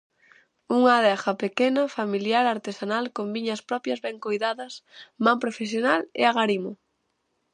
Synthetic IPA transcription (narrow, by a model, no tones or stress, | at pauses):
uŋaðɛχɐpekenɐfamiljaɾaɾt̪esanalkombiɲɐspɾɔpjɐzβɛŋkojðaðɐsmampɾofesjonalɪ̰aɣaɾimo